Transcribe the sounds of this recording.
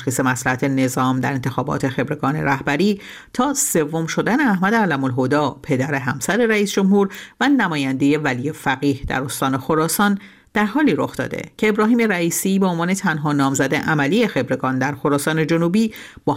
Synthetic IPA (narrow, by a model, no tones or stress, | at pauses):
ʃxiːse̞mæslæhæt̪ʰe̞ne̞zɒːmd̪æɾe̞nt̪e̞xɒːbɒ̰ːt̪ʰe̞xe̞bɾe̞ɡɒːnḛɾæhbæɾiː | t̪ʰɒːse̞vːo̞mʃo̞d̪æne̞æhmæd̪eælæmolɦod̪ɒːpʰe̞d̪æɾe̞ɦæmsæɾe̞ɾæiːsd͡ʒo̞mhuːɾvænæmɒːjænd̪e̞je̞vælije̞fæɣiːhd̪æ̰ɾo̞st̪ɒːne̞xo̞ɾɒːsɒn | d̪̥æɾɦɒːliːɾo̞xd̪ɒ̰ːd̪ḛcʰe̞ːbɾɒːɦiːme̞ɾæiːsiːbeonvɒːne̞t̪ʰænɦɒːnɒːmzæd̪e̞ʔæmælije̞xe̞bɾe̞ɡɒːnd̪æɾxo̞ɾɒːsɒːne̞d͡ʒo̞nuːbiː | b̥ɒː